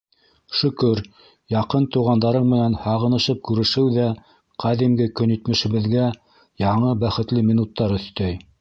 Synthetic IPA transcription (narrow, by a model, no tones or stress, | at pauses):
ʃɵ̆kɵɾ | jɑqɤnt̪uʁɑnd̪ɑɾɤɴmɘ̆nænhɑʁɤ̆nɤ̆ʃɤp̚kʉɾɘ̆ʃɘwðæ | qɑðimɡɘkɵ̆nĭt̪mɘ̆ʃɘ̆βɘ̆ðɡæ | jɑɴɤbæχɘ̆t̪lɘmʲinut̪ːɑɾɵ̆θt̪æj